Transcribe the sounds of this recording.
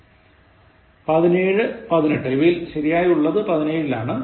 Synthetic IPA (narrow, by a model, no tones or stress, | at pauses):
pɐðine̞ːɻɨpɐðineʈːɐjʋijilɕɐɾijaːjuɭːɐðɨpɐðine̞ːɻilaːɳɨ